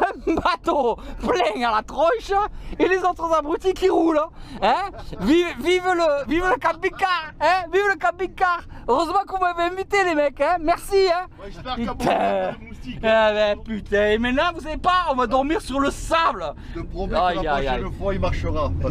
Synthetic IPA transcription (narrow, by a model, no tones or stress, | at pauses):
ɛ̃bat̪oplɛ̃alat̪χɔ̃ʃəelezot̪χəzabʁyt̪ikiʁuləɛ̃vivvivələvivləkabikaʁɛ̃vivələkabikaʁøʁəzəmɑ̃kɔ̃mɛvɛɛ̃vit̪elemɛkɛ̃mɛʁsiɛ̃ | t̪ɛ̃ | bɛpyt̪ɛ̃emɛ̃t̪nɑ̃vus̬avepaɔ̃vad̪ɔʁmiʁsyʁləsablə | ajaja̰fɔ̃imaʁʃəʁa